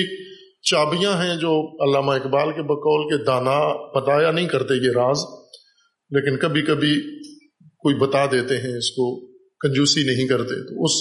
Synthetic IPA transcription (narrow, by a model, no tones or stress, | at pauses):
eːk̚ | t͡ʃaːbijãɦɛ̃d͡ʒoːɐlːaːmaɪkbaːlkebɐkɔːlked̪aːnab̥ɐt̪aːjanɐɦĩkɐɾt̪ejeɾaːz | leːkɪnkɐbʱikɐbʱi | koːibɐt̪ad̪eːt̪eɦɛ̃ɪsko | kɐ̃nd͡ʒuːsinɐɦĩkɐɾt̪ḛt̪oʊs